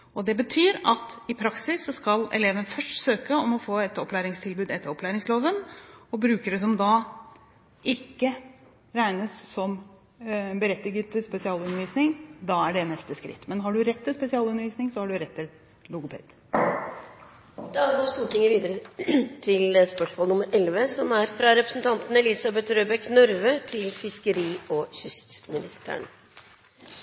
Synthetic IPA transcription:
ɔd̪ɛbət̪ʰyːɾɑt̪ɪpʰɾɑksɪsːɔskɑlɛ̰leːʋənfœʂʈsøːkəɔmɔfoːɛt̪ɔplæːɾɪŋst̪ʰɪlbʉːd̪ɛt̪ːəɾɔplæːɾɪŋsloːʋənɔbɾʉːkəɖəs̬ɔmd̪ɑ | ɪkːə | ɾæɪnəssɔm | bəɾɛt̪ːɪɡət̪ʰɪspɛsɪɑːlʉnəɾʋiːsnɪŋd̪ɑːæɖɛnɛst̪əskɾɪ̰t̪ːmɛnɦɑɖʉɾɛt̪ːɪlspɛsɪɑːlʉnəʋiːsnɪŋsɔhɑɖʉɾɛt̪ʰːɪl | lʊɡʊpʰḛːd̪̥ | d̪ɛɑɡɔːst̪uːʈʰɪŋːəɾʋiːd̪əɾət̪ʰɪlspœʂmoːlnʊməɾʔɛlʋəsɔmæɾfɾɑɾɛpɾəsn̩t̪ʰɑnt̪n̩ɛlɪsɑbɛt̪ɾøːbɛknœɾʋət̪ʰɪlfɪskəɾiːɔçʏst̪mɪnɪst̪æ̰ɳ

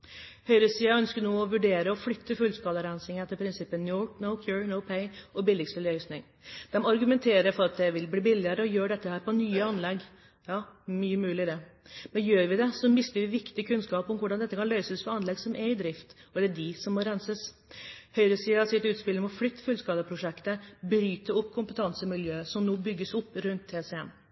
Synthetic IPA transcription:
hœʏɾəsiːɑœnskənuːɔʋʉɖeːɾəɔflʏt̪ːəfʉlskɑːləɾænsɪŋəɛt̪ːəɾpʰɾɪnsɪpːənːunɔʊkʰjuɹnɔʊpʰɛɪɔbɪlːɪkst̪əlœʏsnɪŋ | d̪̥ɛmɔɑɾɡʉmɛnt̪ʰeːɾəfɔɾɑt̪̚d̪ɛʋɪlbliːbɪlːɪəɾəɔjøːɖɛt̪ːəhæːɾpɔnyːəɑnlɛɡ | jɑːmyːəmʉːlɪd̪ɛmɛnjøːɾʋɪd̪ɛsɔmɪst̪əɾʋɪʋɪkt̪ɪkʰʉnskɑːpɔmʋʊɖɑnd̪ɛt̪ːəkʰɑnlœʏsəsfɔɑnlɛɡsɔmʔɛɾɪd̪ɾɪft̪ɔd̪ɛd̪ɪsɔmːɔɾænsəs | hœʏɾəsiːɑsɪt̪ʉːt̪spɪləmɔflʏt̪ːə̥fʉlskɑːd̪əpʰɾʊʂɛkt̪əbɾyːt̪əɾɔpːkʰʊmpət̪ʰɑnsəmɪljøːəsɔmnoːbʏɡːəsɔpːɾʉnt̪ʰeːsɛɛm

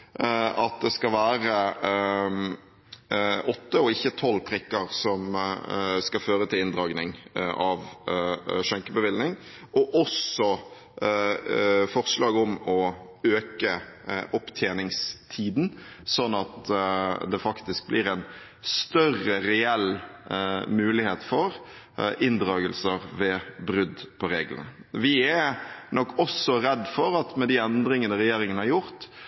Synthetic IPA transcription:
ɑt̪̚d̪ɛskɑʋæːɾə | ɔt̪ːəɔɪçːət̪ʰɔlːpʰɾɪkːəɾsɔm | skɑføːɾət̪ʰɪlɪnd̪ɾɑːɡnɪŋʔɑʋ | ʂɛŋkəbəʋɪlnɪŋ | ʔɔʔɔsɔ | fɔʁslɑːɡɔmɔ | øːkəʔɔpt̪ʰjeːnɪŋst̪ʰiːd̪nsɔnːɑt̪ | d̪ɛfɑkt̪ɪsk̚blɪɾɛn | st̪œrːəɾɛɛl | mʉːlɪheːt̪fɔɾ | ɪnd̪ɾɑːɡəlsəɾʋɛbɾʉd̪pʰɔɾeːɡlə̰nə̰ʋɪɛnɔkːɔsːɔɾɛd̪ːfɔɾɑt̪mɛd̪ɪɛnd̪ɾɪŋənd̪ɛɾɛjeːɾɪŋənhɑɾjʊɾt̪

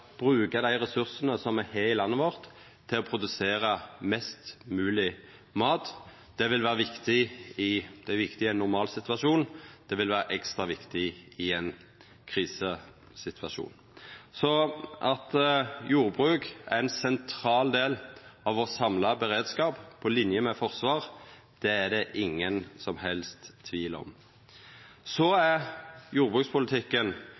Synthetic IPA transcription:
b̥ʁʉːkəd̪æɪɾɛsʉʁsənəsɔmɛheːɪlɑnːəʋɔʁt̪ʰː | ɪlɔpʰʁʊd̪ʉseːɾəmɛst̪mʉːlɪ | mɑːt̪ | d̪̥ɛʋɪlʋæːʁəʋɪkt̪ɪɪd̪̥ɛæɾʋɪkt̪ɪænːʊʁmɑːlsɪt̪ʋɑʂuːnd̪̥ɛʋɪlʋæːɾʔɛkst̪ʁɑʋɪkt̪ɪɪɛn | kʰʁiːsə | sɪt̪ʰʋɑʃṵːn | sɔʔɑt̪juːʁbʁʉːkæ̰ɛnsɛnt̪ʰʁɑːld̪eːlɑʋɔsɑmlɑbɛɾeːd̪skɑːppʰɔlɪnjəmɛfɔʁsʋɑːʁ | d̪̥ɛæd̪ɛʔɪŋːənsɔmhɛlst̪ʰːʋiːlɔ̰m | sɔæɾjuːʁbʁʉːkspʰʊlət̪ʰɪkːən

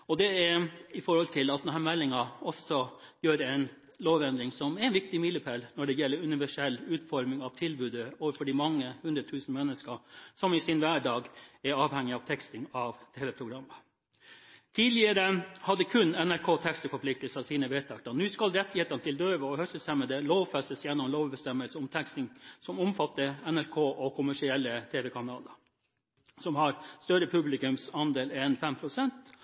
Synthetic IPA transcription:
ɔd̪ɛæɪfɔɾhɔlt̪ʰɪlɑt̪d̪ɛnɦæːɾmɛlːɪŋɑɔsɔjøːɾɛɪn | loːʋɛnd̪ɾɪŋsɔmɛɛnʋɪk̚t̪ɪmiːləpʰɛlnɔɖɛjɛlːəɾʉnɪʋæʂɛlːʉːt̪fɔɾmɪŋɑʋt̪ʰɪlbʉːd̪əoːʋəɾfɔɖɪmɑŋːəhʉnd̪ɾət̪ʰʉːsn̩mɛnːəskəsɔmɪsɪnʋæːɖɑːɡɛɾɑːʋhɛŋːɪɑʋt̪ʰɛkst̪ɪŋɑʋt̪ʰeːʋɛpʰɾʊɡɾɑmːə | t̪ʰiːd̪lɪəɾəhɑd̪əkʰʉnɛnæɾkʰoːt̪ʰɛkst̪əfɔplɪkt̪əlsəɑsiːnəʋeːt̪ʰɑk̚t̪ɑnʉːskɑlɾɛt̪ːɪheːt̪ɑnət̪ʰɪld̪øːʋəɔhœst̪əst̪ɛmːəd̪ɛloːʋfɛst̪əsjɛnːɔmloːʋbɛst̪ɛmːəlsəʊmt̪ʰɛkst̪nɪŋsɔmʊmfɑt̪ːəɛnæɾkʰoːʔɔkʰʊmæʂɪɛlːət̪ʰeːʋɛkʰɑnɑːlə | sɔmhɑɾst̪œɾəpʰʉblɪkʉmsɑnd̪eːlɛnfɛmpʰɾʊsɛnt̪

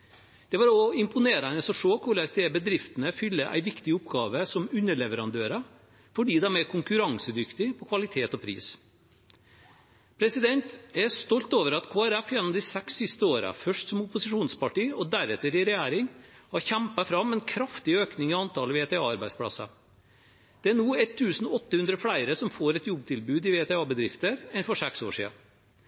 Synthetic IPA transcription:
d̪̥ɛʋɑːɾɔɪmpʊneːɾɑnəsɔʂoːkʰʊɭæsd̪eːbəd̪ɾɪft̪ənəfʏlːəʔæ̰ɪʋɪkt̪ɪʊpɡɑːʋəsɔmʉnːəɭɛʋəɾɑnd̪øːɾə | fɔɖiːd̪ɛmæɾkʰʊŋkʉɾɑŋsəd̪ʏkt̪ɪpʰɔkʰʋɑlɪt̪ʰeːt̪ɔpʰɾḭːs | pʰɾɛsɪd̪ɛnt̪ɛʂt̪ɔlt̪oːʋəɾɑt̪kʰoːæɾɛfjɛnːɔmd̪ɪsɛksːɪst̪əoːɾə̰fœʂʈsɔmʊpʊsɪʂuːnspɑʈiːɔd̪æɾɛt̪ːəɾɪɾɛjæːɾɪŋhɑɾçæmpɑfɾɑmːɛnkʰɾɑft̪ɪøːknɪŋɔɑnt̪ʰɑːləʋeːt̪ʰɛɑːɑɾbæɪspʰɽɑ̰sə̰ | d̪̥ɛæɳuːɛt̪ʰːʉːsnɔɔt̪ːəhʉnd̪ɾəfɽæɪɾəsɔmfoːɾɛt̪jɔb̚t̪ʰɪlbʉːd̪ɪʋeːt̪ʰɛɑːbəd̪ɾɪft̪əɾɛnfɔʂɛkso̰ːʂḭːɑ̰

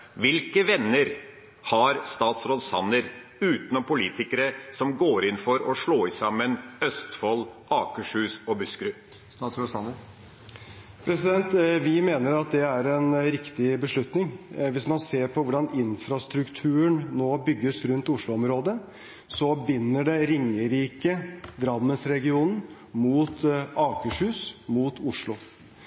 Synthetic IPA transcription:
ʋɪlkəʋɛnːəɾ | hɑɾst̪ɑːt̪sɾoːd̪sɑ̰nəɾʉːt̪nɔmpʊliːt̪ɪkəɾəsɔmɡoːɾɪnfɔɾɔʂɭoːɪsɑmːənœst̪fɔlɑːkəʂhʉːsɔbʉskɾʉː | sɑt̪sɾosɑə | pʰɾɛsɪd̪ɛnt̪ʋɪmeːnəɾɑt̪̚d̪ɛæɾɛnɾɪkt̪ɪbəʂlʉt̪nɪŋʋɪsmɑnseːɾpʰɔʋʊɖɑnɪnfɾɑst̪ɾʉkt̪ʰʉːəɳnoːbʏɡːəsɾʉnt̪ʊʂɭʊɔmɾoːd̪ə | sɔbɪnːəɖɛɾɪŋːəɾiːkəd̪ɾɑmːənsɾɛɡɪuːnn̩ | muːt̪ɑːkəʂhʉːsmuːt̪ʊʂɭʊ

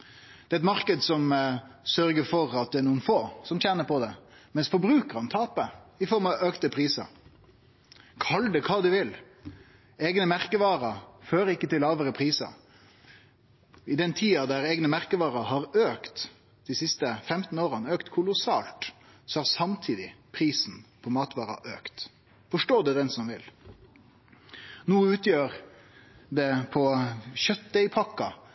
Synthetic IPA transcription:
d̪̥ɛːɛt̪mɑɾkəd̪sɔmsœɾɡəfɔɾɑt̪̚d̪ɛæɾnuːənfoːsɔmt̪ʰjæːnəpʰɔd̪ɛmɛnsfɔɾbɾʉːkəɾɑnt̪ʰɑːpəɪfɔɾmɑøːkt̪əpʰɾiːsɑ̰ | kʰɑld̪ɛkʰɑːd̪ʉʋɪl | eːɡnəmæɾkəʋɑːɾɑføːɾəɪkːət̪ɪlːɑːʋəɾəpʰɾiːsɑ̰ | ɪd̪ɛnt̪ʰiːɑd̪æɾeːɡnəmæʁkəʋɑːʁɑɦɑɾøːkt̪ | d̪ɪsɪst̪əfɛmt̪n̩oːʁənøːkt̪kʰʊlʊsɑːlt̪ | sɔhæʁɾsɑmt̪ʰiːd̪ɪpʰɾiːsn̩pʰɔmɑːt̪ʋɑːɾɑ̰ʔøːkt̪ | fɔʂʈoːd̪ɛd̪ɛnsɔmʋɪl | nuːəʉːt̪jøːɾ | d̪ɛpʰɔɕœt̪̚d̪ɛɪpʰɑkːɑ

